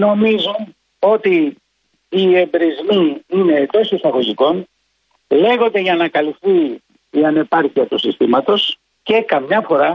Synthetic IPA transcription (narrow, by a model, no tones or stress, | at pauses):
no̞mizun | o̞t̪iː | embɾizmiined̪o̞sisɐɣo̞ʝiko̞n | le̞ɣo̞nd̪e̞ʝɐnɐkɐlifθiː | ɐne̞pɐɾciɐt̪usist̪imɐt̪o̞s | ce̞kɐmɲɐfo̞ɾɐ